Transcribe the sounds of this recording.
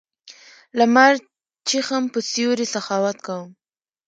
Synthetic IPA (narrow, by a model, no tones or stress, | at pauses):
lamaɾ | t͡ʃixampəsijoɾisaxɑwat̪kawəm